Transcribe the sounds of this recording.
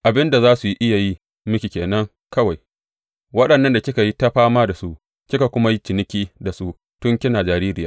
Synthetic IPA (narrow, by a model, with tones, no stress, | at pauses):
ʔa˨bɪ˦nda˨zaː˦su˨ji˦ʔɪ˦ja˨ji˦ | mʊ˦kʲi˨kʲeː˨nɐ˦ŋ | kɐ˦wa˨j | wɐ˦ɗɐ˨nːɐ˦nda˨kʲɪ˦ka˨ji˦ta˦ɸaː˦maː˦da˨su˦ʔ | kʲɪ˦ka˨kʷʊ˦ma˦ji˦t͡ʃɪ˨nɪ˦kʲiː˦da˨su˦ʔ | tʊ˦ŋkʲɪ˦naː˨d͡ʒaː˨ɾiː˦ɾɪ˨jaː˦